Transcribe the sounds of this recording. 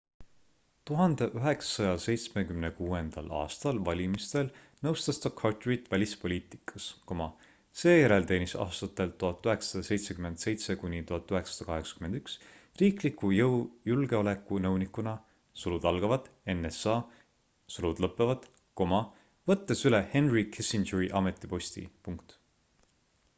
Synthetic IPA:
t̪uɦɑnd̪̥e̞ʔyɦe̞ksɑ̥sɑjɑse̞jt̪smekymnekuːe̞nd̪̥ɑ̰lɑ̰ːst̪ɑlvɑlʲimist̪el | nɤwst̪ɑst̪ɑkʰɑrt̪rit̪ːˑvælʲispo̞lʲiːt̪ˑi̥kʰɑsko̞mɑ | se̞ːjeɾe̞lt̪e̞ːnisɑ̰ːst̪ɑt̪ːˑe̞lt̪ːuɦɑt̪ːˑyɦe̞ksɑd̪ɑse̞jt̪se̞kyme̞nd̪̥se̞jt̪se̞kunʲit̪uhɑt̪ːˑyɦe̞ksɑd̪̥ɑkɑɦe̞ksɑ̥kymend̪yksriːklikujɤwjulɡ̥e̞o̞le̞kːˑunɤwnikːˑunɑ | sulud̪ɑlɡ̥ɑvɑd̪e̞nːesɑː | sulud̪lɤpːˑevɑd̪̥ | ko̞mɑ | vɤt̪ːe̞sylehe̞nrikʰesind͡ʒeɹiʔɑme̞t̪ːˑipo̞st̪ḭpuŋkt̪

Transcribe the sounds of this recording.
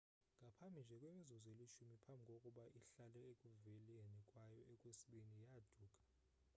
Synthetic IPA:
ŋɡʱapʰambʱind͡ʒʱɛkʼwemizuzeliʃumipʰambʱikʼokʼuɓaʔiɬalɛekʼuveliɛnɛkʼwajɔɛkʼwesiɓinijad̥ʱuːkʼḁ

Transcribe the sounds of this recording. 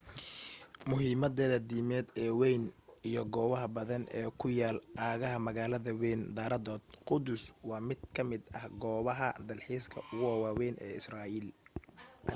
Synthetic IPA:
mʊɦiːmɐd̪ɛːðɐd̪iːmɛːd̪ɛːwɛjnijɞɡɔːβɐɦɐbɐðɐnɛːkʰʊjaːlʔaːɣɐɦɐmɐɣaːlɐðɐwɛːnd̪aːɾɐðɔːd̪̥̚qʊd̪ʊswɑːmɪd̪̚kʰɐmɪd̪ɐhɡɔːβɐɦɐd̪ɐlħiːskʰɐ̰ʊɣʊwaːwɛːnʔɛ̰ːɪsraːʔil

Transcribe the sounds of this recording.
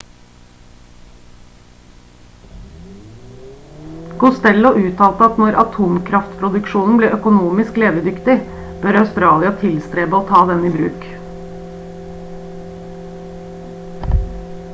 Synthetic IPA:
ɡ̥ʊst̪ɛlʊʔʉːt̪ʰɑːlt̪əɑt̪nɔɾʔɑt̪ʰuːmkʰɾɑft̪pʰɾʊd̪ʉkʃuːnn̩bliːʔœkʊnuːmɪskleːʋəd̪ʏkt̪ɪ | b̥œɾɑʉst̪ɾɑːlɪɑt̪ʰɪlst̪ɾeːbəoːt̪ʰɑːd̪ɛnibɾʉ̰ːk

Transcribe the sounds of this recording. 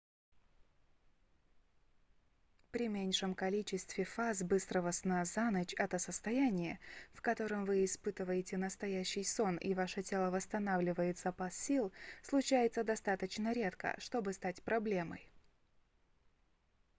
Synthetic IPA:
pɾʲɪmʲenʲʂəmkɐlʲit͡ɕɪst̪vʲɪfazbɨst̪ɾəvəsnazanət͡ɕɛt̪əsəst̪ɐjænʲɪjəfkɐt̪o̞ɾəmvɨɪspɨt̪ɨvəjɪtʲɪnəst̪ɐjæɕːɪjso̞nḭvaʂətʲe̞lˠəvəst̪ɐnavlʲɪvəjɪt̪zɐpasːʲilˠslˠʊt͡ɕæjɪt̪səd̪ɐst̪at̪ət͡ɕnəɾʲe̞t̪kə̰ʂt̪o̞bɨst̪atʲpɾɐblʲe̞mə̰j

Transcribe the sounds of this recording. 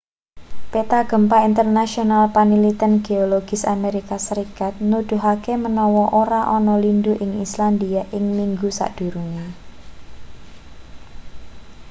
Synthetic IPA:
pet̪aɡ̥ə̤mpaint̪ərnasionalpanilit̪ənɡ̥eoloɡ̥ɪsameɾikasəɾikat̪̚nud̪̥ṳɦakemənɔwɔʔoɾaʔɔnɔlinduʔɪŋisland̪iaʔɪŋmiŋɡusa̰ʔd̥ṳɾuɲa

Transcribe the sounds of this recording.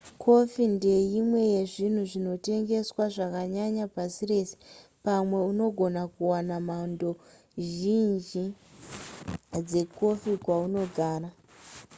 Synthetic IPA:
kʰo̞finde̞jimwe̞je̞ʐin̤uʐino̞te̞ŋɡe̞swaʐakaɲaɲapasire̞ːse̥pamwe̞uno̞ɡʱo̞nakuwanamando̞ | ʒind͡ʒi | d͡ze̞ko̞fikwauno̞ɡʱaːra

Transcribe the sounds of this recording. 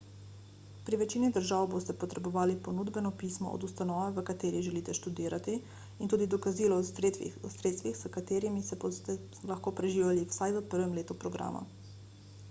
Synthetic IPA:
pɾiʋɛt͡ʃiːnid̪əɾʒaːwbost̪ɛpɔt̪ɾɛbɔʋaːlipɔnuːd̪bɛnɔpiːsmɔ̰ʔɔ̰d̪ust̪anɔːʋɛʋəkat̪eːɾiʒɛliːt̪ɛʃt̪ud̪iːɾat̪i | int̪uːd̪id̪ɔkaziːlɔ | sɾeːt̪st̪ʋixzəkat̪eːɾimisɛt̪ɛ | laxkoːpɾɛʒiːʋjaliwsajʋəpəɾʋɛmleːt̪upɾɔɡɾa̰ːma̰

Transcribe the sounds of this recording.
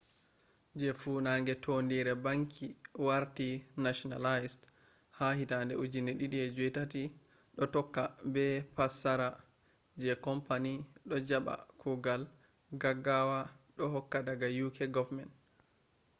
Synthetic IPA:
d͡ʒɛfuːnaːŋɡɛtʰondiɾɛbaŋkʰiwaɾtinaʃɔna̰lajst | hahitandɛud͡ʒinɛɗiɗiɛd͡ʒutati | ɗɔtɔkːabɛpasaɾa | d͡ʒɛkɔmpaniɗɔd͡ʒaɓa̰kʰuɡal | ɡaɡawaɗɔhɔkːadaɡajukʰɛɡɔvmɛnt

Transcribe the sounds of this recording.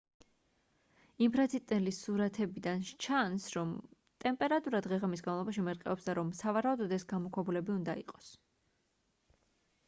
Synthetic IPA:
impʰɾat̪sʰit̪ʼnɛlisuɾat̪ʰɛbid̪ant͡ʃʰansɾɔm | t̪ʼɛmpʼɛɾat̪ʼuɾad̪ʁɛʁɛmis̬ɡanvlˠɔbaʃimɛɾqʼɛɔpsd̪aɾɔmsavaɾaud̪ɔd̪ɛsɡamɔkʰwɛbulɛbiund̪aḭqʼɔ̥s

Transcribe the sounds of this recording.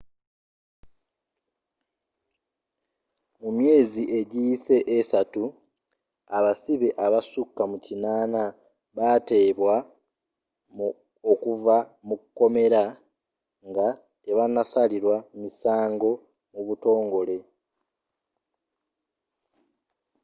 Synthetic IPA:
mumje̞ːziʔe̞ɟijise̞ʔesatu | aβasiβeʔaβasukːamucinaːna | βate̞ːβwa | okuvamukukːo̞me̞ɾa | ŋɡa | eβanasaliɾwamisaːŋɡo̞ | muβuto̞ːŋɡo̞le̞

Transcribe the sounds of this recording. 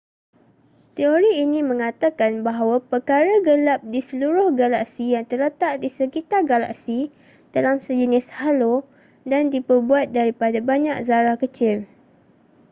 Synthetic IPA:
t̪eoɾiːnĩmə̃ŋãt̪akanbaɦawapərkaɾaɡəlap̚disəluɾʊhɡalaksijaŋt̪ərlət̪aʔdisəkit̪arɡala̰ʔsi | d̥alamsəd͡ʒənɪshalo | dandipərbuat̪̚daɾipadabaɲak̚zaɾahkət͡ʃɪl

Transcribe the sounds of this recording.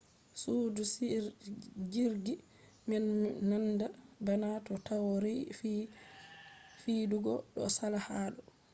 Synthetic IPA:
sudus | d͡ʒiɾɡi | mɛnnandabanatɔtawɾif | fiduɡɔɗɔ̰salahaːɗɔ

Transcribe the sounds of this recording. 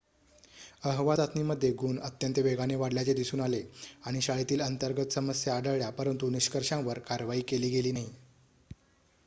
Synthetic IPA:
əɦʋat̪at̪niːməd̪ʱːjeɡuːnət̪jənt̪əʋeɡaneʋaɽljat͡ɕed̪isuːnaleaɽ̃iɕaɭit̪iːlənt̪əɾɡət̪səməsjaːɖəɭɭjapəɾənt̪uniɕkəɾʂãʋəɾkaɾʋaiːkeliːɡeliːnaɦi

